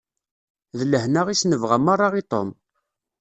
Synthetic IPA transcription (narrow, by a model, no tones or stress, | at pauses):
ðələhnəʁisnəvʁəmarˤːɑʁit̪ˤo̰m